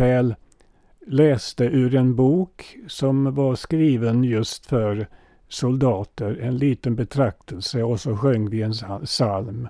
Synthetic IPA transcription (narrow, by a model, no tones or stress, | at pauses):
ɛːlː | ɛːst̪əʔʉ̟ːɾɛnbuːksɔmvaɾskɾiːvənjɵst̪fœɾ | sʊld̪ɑːt̪əɾɛnliːt̪ənbɛt̪ʰɾak̚t̪ʰəlsəɔsɔɧœŋːvɪɛnsalm